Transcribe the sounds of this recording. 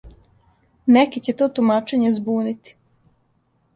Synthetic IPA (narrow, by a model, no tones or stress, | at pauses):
nekit͡ɕet̪oːt̪umaːt͡ʃeɲezbuːnit̪i̥